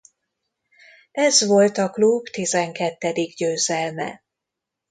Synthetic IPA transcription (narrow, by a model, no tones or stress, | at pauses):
ɛzʋo̞lt̪ɒklubt̪izɛŋkɛt̪ːɛd̪iɡɟøːzɛlmɛ̰